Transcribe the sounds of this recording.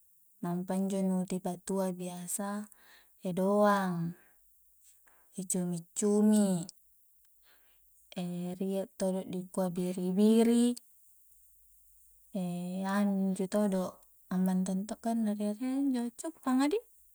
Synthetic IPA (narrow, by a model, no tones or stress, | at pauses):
nampaiɲd͡ʒonut̪ipat̪uabiasa | edoaŋ | et͡ʃumit͡ʃːumi | eriat̪ːodoʔdikuabiɾibiɾi | eanɲd͡ʒut̪odoʔ | ambant̪ɔnt̪ɔʔkanːaɾiariaɲd͡ʒot͡ʃːukpaŋadi